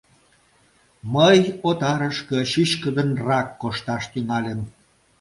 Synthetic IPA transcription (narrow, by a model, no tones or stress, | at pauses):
məjot̪ɑɾəʃkə̆ʃyʃkəd̪ənrɑkːoʃt̪ɑʃt̪yŋɑlʲem